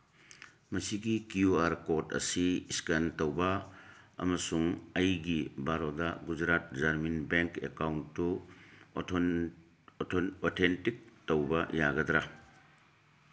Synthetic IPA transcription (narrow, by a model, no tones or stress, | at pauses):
mɐsiɡikjuaɾkotɐ̰siskantowbɐɐ̰mɐsuŋɐjɡibʱaɾodɐɡud͡ʒɾat̚d͡ʒaɾminbeŋkekawnːu | otʰentik̚towbɐjaɡɐdɾa